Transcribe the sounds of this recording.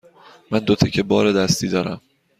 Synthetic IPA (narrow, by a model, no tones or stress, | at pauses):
mænd̪ot̪ʰecʰebɒːɾed̪æst̪ʰiːd̪ɒːɾæm